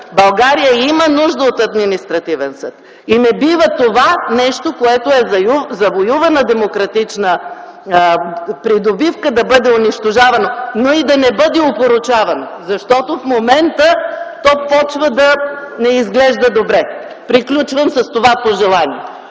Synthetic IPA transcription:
bɐlˠɡaɾijəimənuʒd̪əot̪ɐd̪minist̪ɾɐt̪ivɛnsɤt̪ | inɛbivət̪ovanɛʃt̪okoɛt̪oɛzɐjuzɐvojuvɐnɐd̪ɛmokɾɐt̪it͡ʃnə | pɾid̪obifkəd̪ɐbɤd̪ɛʊniʃt̪oʒavɐnonoid̪ɐnɛbɤd̪ɛopoɾʊt͡ʃavɐnozɐʃt̪ɔt̪ofmomɛnt̪ət̪ɔpɔt͡ʃvəd̪ɐnɛizɡlɛʒd̪əd̪obɾɛ | pɾiklʲut͡ʃvəmsɐst̪ovapoʒɛlˠaniɛ

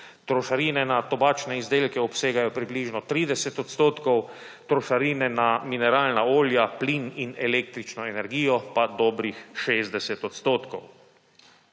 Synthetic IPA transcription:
t̪ɾɔʃaɾiːnɛnat̪ɔbaːt͡ʃnɛizd̪eːlkɛɔpseːɡajɔpɾibliːʒnɔt̪ɾiːd̪ɛsɛt̪ɔt̪st̪oːt̪kɔw | t̪ɾoʃaɾiːnɛnaminɛɾaːlnaoːljaplininɛleːk̚t̪ɾit͡ʃnɔɛnɛɾɡiːjɔpad̪ɔːbɾixʃeːzd̪ɛsɛt̪ɔt̪st̪oːt̪kɔw

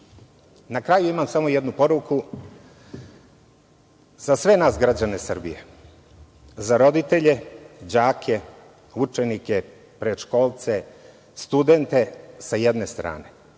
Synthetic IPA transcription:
nakɾajuimamsamo̞jed̪nupo̞ɾuku | z̥asʋe̞naːsɡɾad͡ʑane̞sr̩bḭjḛ | zaɾo̞d̪it̪e̞ʎe̞d͡ʑaːkʰe̞ | ut͡ʃenike̞ | pɾeʃko̞ːlˠt̪se̞ | st̪ud̪e̞nt̪e̞sajed̪ne̞st̪ɾa̰ːne̞

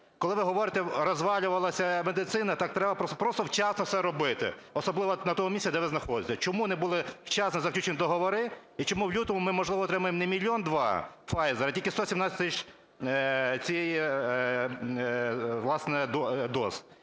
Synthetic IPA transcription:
kɔlˠɪʋɪɦɔʋɔɾɪt̪ɛɾɔzʋɑlʲʊʋɐlˠɐsʲɐmed̪ɪt̪sɪnɐt̪ɑk̚t̪ɾɛbɐpɔpɾɔst̪ɔwt͡ʃɑsnɔsɛɾɔbɪt̪ɪ̰ɔsɔblˠɪʋɔnɐt̪ɔmʊmʲisʲɛd̪ɛʋɪznɐxɔd̪ɪt͡sʲːɐt͡ʃɔmunɛbulˠɪwt͡ʃɑsnɛzɐklʲut͡ʃenʲid̪ɔɦɔʋɔɾɪ | it͡ʃɔmuwlʲut̪ɔmʊmɪmɔʒlˠɪʋɔt̪ɾɪmʊjemnɛmʲilʲiɔnd̪ʋɑ̰fɑjzeɾɐtʲilʲkʲɪst̪ɔsʲimnɑt͡sʲsʲɐ̥t̪ɪt͡ʃ | t͡sʲijeji | ʋlˠɑsnɛd̪ɔd̪ɔs

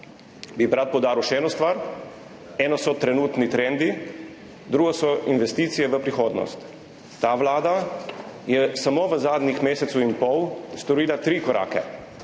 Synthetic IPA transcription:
bibɾat̪̚pɔwd̪aːɾiwʃɛɛːnɔst̪ʋaɾ | ɛːnɔsɔt̪ɾɛnuːt̪nit̪ɾɛnd̪i | d̪ɾuːɡɔsɔinʋɛst̪iːt̪sijɛʋəpɾixoːd̪nɔ̰st̪ː | aʋlaːd̪a | jɛsamoʋəzaːd̪nʲixmeːsɛt̪suinpɔwst̪ɔɾiːlat̪ɾiːkɔɾʔa̰ːkɛ̰

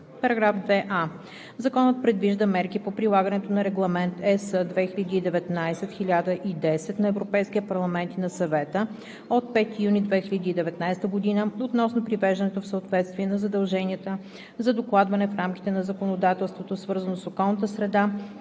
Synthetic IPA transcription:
pɐɾɐɡɾafd̪vɛʔa | zɐkɔnət̪̚pɾɛd̪viʒd̪əmɛɾkipopɾilˠaɡənɛt̪onɐɾɛɡlˠɐmɛnt̪ɛsəd̪vɛxilʲəd̪iːd̪ɛvɛt̪najsɛt̪xʲilʲad̪əʔid̪ɛsɛt̪nɐɛvɾopɛjskʲiəpɐɾlˠɐmɛnt̪inɐsɐvɛt̪ə | ot̪̚pɛt̪ijunid̪vɛxilʲəd̪iːd̪ɛvɛt̪najst̪əɡod̪inəot̪nɔsnopɾivɛʒd̪ɐənɛt̪ofsəot̪vɛt̪st̪viɛnɐzɐd̪ɐlˠʒɛniət̪ə | zɐd̪oklˠad̪vɐnɛfɾamki̥t̪ɛnɐzɐkonod̪at̪ɛlˠst̪vot̪osvɤɾzənosokɔlˠnət̪əsɾɛd̪a

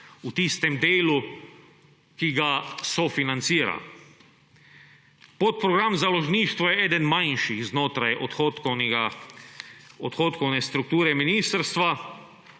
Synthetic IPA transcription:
ut̪ist̪ɛmd̪eːlu | kiɡasɔfinant̪siːɾa̰l | pot̪̚pɾɔɡɾamzalɔʒniːʃt̪ʋɔjɛɛːd̪ɛnmanʃiɣznoːt̪ɾajɔt̪xokna | ɔt̪xoːt̪kɔwnɛst̪ɾuk̚t̪uːɾɛminiːst̪əɾst̪ʋa

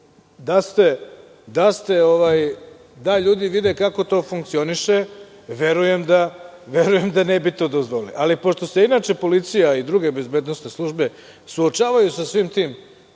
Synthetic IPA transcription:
d̪ast̪e̞ | d̪ast̪e̞oʋaːj | d̪aʎuːd̪iʋid̪ekako̞t̪o̞ːfuŋk̚t̪sio̞niʃe | ʋe̞ɾuje̞md̪aʋe̞ɾuje̞md̪anebit̪o̞ːd̪ozʋolḭʔalipo̞ʃt̪o̞se̞inaːt͡ʃe̞po̞lit̪sijaid̪ɾuɡe̞be̞zbeːd̪no̞sne̞slˠuʒbe̞ | suot͡ʃaːʋajusasʋiːmt̪iːm

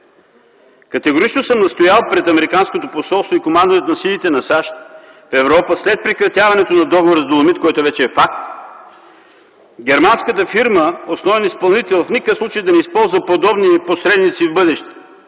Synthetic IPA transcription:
kɐt̪ɛɡoɾit͡ʃnosəmnɐst̪ojalˠpɾɛt̪ɐmɛɾikanskot̪oposɔlˠst̪voikomand̪ovɛt̪nɐsilʲit̪ɛnɐsaʃt̪̚ | fɛvɾɔpəslɛt̪̚pɾikɾɐt̪ʲjavɐnɛt̪onɐd̪ɔɡovoɾəzd̪olˠomit̪kɔjt̪ovɛt͡ʃɛːfak̚t̪ | ɡʲɛɾmanskət̪əfiɾməosnɔvɛnispɐlˠnit̪ɛlˠfnikəfslˠut͡ʃejd̪ɐnɛispɔlˠzəpod̪ɔbniposɾɛd̪nit̪sivbɤd̪ɛʃt̪ɛ̥

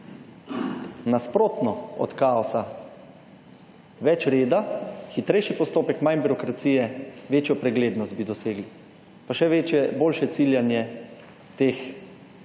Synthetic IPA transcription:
naspɾoːt̪nɔɔ̰t̪kaɔsa | ʋɛt͡ʃɾeːd̪axit̪ɾɛjʃipɔst̪oːpɛkmajnbiɾɔkɾat̪sijɛʋeːt͡ʃjɔpɾɛɡleːd̪nɔst̪̚bid̪ɔseːɡli | paʃɛʋeɛboːlʃɛt̪siljanjɛ | t̪eːx

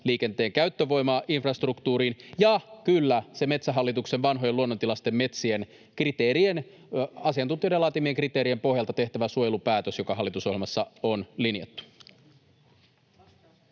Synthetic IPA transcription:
liːke̞nt̪e̞ːŋkæyt̪ːøʋo̞jmɑːʔinfrɑst̪rukt̪uːɾiːnjɑkylːæseme̞t̪sæɦɑlːit̪uksenʋɑnɦo̞je̞luonːont̪ilɑst̪e̞mːe̞t̪sie̞n | krit̪eːɾien | ɑsiɑnt̪unt̪ioidelɑːt̪imieŋkrit̪e̞ːɾie̞mpo̞hjɑlt̪ɑt̪e̞ht̪æʋæsuojelupæːt̪øsjokɑɦɑlːit̪uso̞helmɑsːɑo̞nlinjḛt̪ːu̥

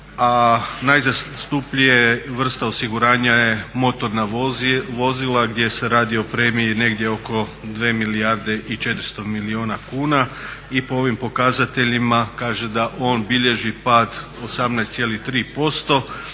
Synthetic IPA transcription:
anajzast̪upʎijeʋr̩st̪ao̞siɡuɾaːɲaje̞mo̞t̪o̞ɾnaʋo̞zilaɡd̪je̞se̞ɾaːd̪ioopɾemiine̞ɡd̪je̞o̞ko̞d̪ʋeːmiliaɾd̪e̞ʔit͡ʃe̞t̪ɾ̩st̪o̞milioːnakuːnaipo̞o̞ʋimpo̞kazat̪e̞ʎimakaːʒe̞d̪aʔo̞ːnbiʎe̞ʒipaːd̪ | o̞samnajst̪sjelit̪ɾiːpo̞st̪o̞

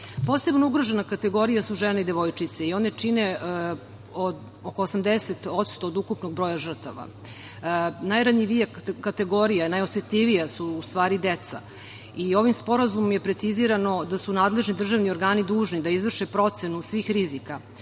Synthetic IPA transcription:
po̞ːse̞bnouɡɾoʒenakat̪eɡo̞ɾijasuʒeneid̪e̞ʋo̞jt͡ʃit̪se̞io̞ne̞t͡ʂine | od̪ | oko̞ːsamd̪eset̪o̞t̪st̪o̞ːd̪ukupnoɡ̚bɾo̞ːjaʒr̩t̪aʋa̰ | najɾaɲiʋiekːat̪e̞ɡo̞ɾijanajoset̪ʎʲiʋijasuːst̪ʋaːɾid̪et̪sa̰ | io̞ʋimspo̞ɾazumomje̞pɾe̞t̪siziɾano̞d̪asunaːd̪le̞ʒnid̪r̩ʒaʋnio̞ɾɡaːnid̪uːʒnid̪aizʋr̩ʃepɾo̞t̪se̞nusʋiːxɾizika

